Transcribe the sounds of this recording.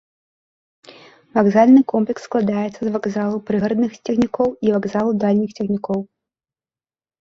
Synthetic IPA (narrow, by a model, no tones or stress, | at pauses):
vaɡzalʲnɨkɔmplʲɛksːklˠad̪ajɛt̪sːɐzvaɡzalˠupɾɨɣɾɐd̪nɨxt͡sʲɛxnʲikɔwivaɡzalˠud̪alʲnʲixt͡sʲɛxnʲikɔw